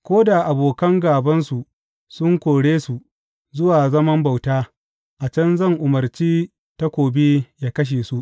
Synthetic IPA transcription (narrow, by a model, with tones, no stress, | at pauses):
kʷoː˦da˨ʔa˨boː˨kɐ˦ŋɡaː˨bɐ˦nsu˨ʔ | sʊ˦ŋkʷoː˨ɽeː˦su˨ | zʊ˦waː˨zɐ˦mɐ˦mba˨wtaː˦ | ʔa˨t͡ʃɐ˦nzɐ˦˨ŋʔʊ˨mɐ˨rt͡ʃiː˦ | ta˦kʷoː˨be˦jaː˦kɐ˦ʃ̬eː˨su˦ʔ